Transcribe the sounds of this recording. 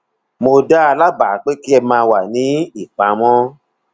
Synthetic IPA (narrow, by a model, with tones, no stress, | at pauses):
mo˧da˦a˧la˦ba˨˦k͡pe˦ki˦ɛ˧mãː˧wa˨nĩ˨˦i˦˨k͡pa˨˦mɔ̃˦